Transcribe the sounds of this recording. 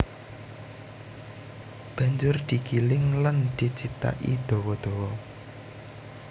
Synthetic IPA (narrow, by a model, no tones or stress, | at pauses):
b̥ä̤ɲd͡ʒʊrd̪̥ikilɪŋland̪̥i̤t͡ʃit̪a̰ʔḭd̪̥ɔ̤wɔd̪̥ɔ̤wɔ